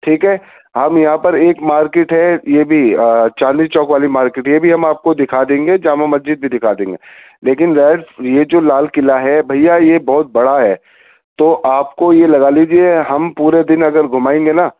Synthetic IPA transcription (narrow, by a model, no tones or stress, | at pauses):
ʈʰiːkɦɛː | hɐmjɐɦãpɐɾeːkmaːɾkeːʈɦɛjebʱit͡ʃãːnd̪it͡ʃɔːkʋaːlimaːɾkeːʈjebʱiɦɐmaːp̚kod̪ɪkʰaːd̪ẽːŋɡed͡ʒaːmamɐsd͡ʒɪd̪̚bʱid̪ɪkʰaːd̪ẽːŋɡe | leːkɪnɾɛːɖjed͡ʒoːlaːlkɪlaɦɛbʱɐjajebɔːʊt̪̚bɐɽaɦɛː | t̪oːʔaːp̚kojelɐɡaliːd͡ʒieɦɐmpuːɾed̪ɪnɐɡəɾɡʱʊmaːẽːŋɡenaː